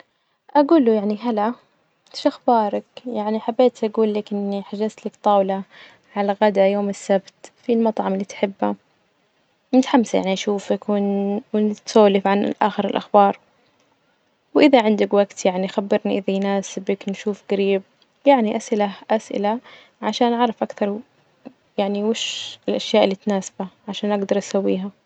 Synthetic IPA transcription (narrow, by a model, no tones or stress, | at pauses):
ʔaɡuːlujaʕniɦala | ʃʔaxbɑːɾˤɑkjaʕniħabːeːt̪ʔaɡuːlːakʔɪnːiħaʒazt̪lakt̪ˤɑːwla | ʕalaɣad̪ajoːmɪsːabt̪filmɑt̪ˤʕɑmɪlːiːt̪ħɪbːa | nɪt̪ħamːsajaʕniʔaʃuːfakwɪwnt̪soːlɪfʕanɪ̰lʔa̰ːxɪɾɪlʔaxbɑːɾˤ | wʔɪðaʕɪnd̪ɪkwaɡt̪jaʕnixabːɪɾniʔɪðajnaːsɪbɪknʃuːfɡaɾiːb̚ | jaʕniʔasʔɪlaʔasʔɪ̰la | ʕaʃaːnʔaʕɾˤɑfʔakθɑɾˤ | jaʕniwɪʃɪlʔaʃjaːʔɪlːiːt̪naːsḁbaʕaʃaːnʔaɡd̪ɑɾˤʔasawːiːɦa